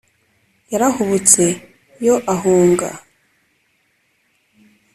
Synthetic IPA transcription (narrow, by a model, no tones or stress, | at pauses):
jaɾahuβut͡se̞ | jo̞ʔaɦuːŋɡa̰